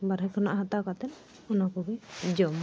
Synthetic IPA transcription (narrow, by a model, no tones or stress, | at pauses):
baɾɦɛkʰɔna̰ʔɦat̪akat̪ɛn | unakɔbɛd͡ʒɔm